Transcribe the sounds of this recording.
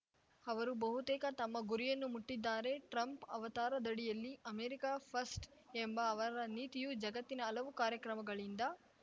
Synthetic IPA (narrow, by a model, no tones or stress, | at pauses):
ɐʋɐɾubɐɦut̪ɛːkɐt̪ɐmːɐɡuɾijɐnːumuʈːid̪ːaːɾe̞ʈɾɐmpɐ̰ʋɐt̪aːɾɐd̪ɐɽijɐlːiɐmeːɾikaːpʰɐsʈ | embɐːʋɐɾɐniːt̪ijud͡ʒɐɡɐt̪ːinɐːlɐʋukaːɾjɐkɾɐmɐɡɐɭind̪ɐ